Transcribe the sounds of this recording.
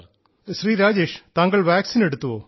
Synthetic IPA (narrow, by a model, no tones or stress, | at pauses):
sɾiːɾaːd͡ʒeːʃt̪aːŋɡəɭʋɛːksiːneɽut̪ːuʋoː